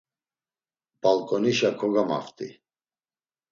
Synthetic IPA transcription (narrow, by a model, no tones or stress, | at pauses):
b̥alkʼɔniʃakʰɔɡama̰ft̪ʼḭ